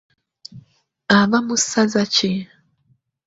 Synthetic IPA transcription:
aβamusazat͡ʃi

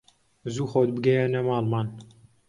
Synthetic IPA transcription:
zuːxoːd̪̚bɨɡɛjɛnɛmɑːlmɑːn

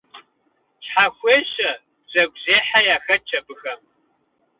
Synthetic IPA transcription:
ɕħaxʷeːɕɐ | bzɐɡʷʑeːħajaːxɐt͡ʃʰɐbɨxɐm

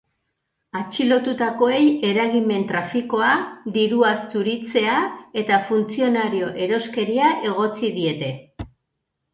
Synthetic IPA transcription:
at͡ʃilo̞t̪ut̪ako̞e̞je̞ɾaɣime̞nt̪ɾafiko̞ad̪iɾuasuɾit͡se̞ae̞t̪afunt͡sio̞naɾio̞ʔe̞ɾo̞ske̞ɾiaʔe̞ɣ̞o̞t͡siðie̞t̪e̞

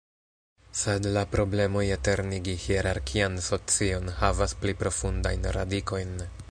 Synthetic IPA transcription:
sedlapɾo̞ble̞mojete̞ɾniɡihieɾaɾkʰianso̞t͡sio̞nhavasplipɾo̞funda̰jnɾa̰diko̞jn

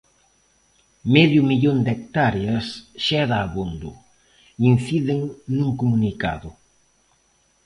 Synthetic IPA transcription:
mɛðjʊmiʎond̪ek̚t̪aɾjɐsʃɛðaːβond̪ʊ | inθiðeŋnũŋkumunika̰ðʊ

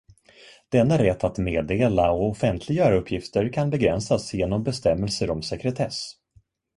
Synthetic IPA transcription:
d̪̥ɛnːaɾɛt̪ʰːat̪meːd̪eːlaɔɔfɛnt̪ʰlɪɡœːɾaɵpʰːjɪft̪əɾkʰanbɛɡɾɛnsasjeːnɔmbɛst̪ɛmːɛlsəɾɔmsɛkɾɛt̪ʰɛs

